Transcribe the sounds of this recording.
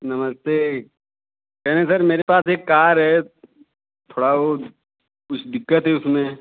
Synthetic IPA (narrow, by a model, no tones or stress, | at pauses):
nɐməst̪eː | kɛɦnẽsəɾmeːɾepaːseːkːaːɾɦɛ | t̪ʰoːɽaʋo | kʊt͡ʃʰd̪ɪkːət̪ɦɛʊsmẽ